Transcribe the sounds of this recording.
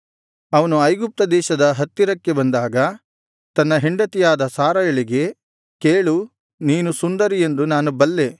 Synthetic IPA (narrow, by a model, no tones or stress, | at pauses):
ɐʋɐnuɐjɡup̚t̪ɐd̪ɛːʃɐd̪ɐɦɐt̪ːiɾɐkːe̞bɐnd̪aːɡɐ | t̪ɐnːɐɦeɳɖɐt̪ijaːd̪ɐsaːɾɐjɐɭiɡe̞ | keːɭu | niːnusund̪ɐɾije̞nd̪unaːnubɐlːe̞